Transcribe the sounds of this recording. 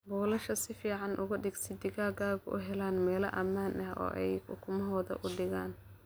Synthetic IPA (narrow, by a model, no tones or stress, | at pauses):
bɔːlɐʃɐsɪfiːʕɑnʔʊɣʊɖɪɡsɪd̪ɪɣaːɣaːɣʊʔʊ̰ɦɛlaːnmɛːlɐ̰ʔɐmaːnʔɐhɔ̰ːʔɛjʊ̰kʰʊmɐɦɔːðɐ̰ʔʊɖɪɣaːn